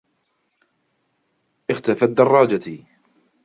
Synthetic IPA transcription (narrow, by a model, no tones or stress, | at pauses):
ʔɪxt̪afad̪ːɑrˤːɑːd͡ʒat̪i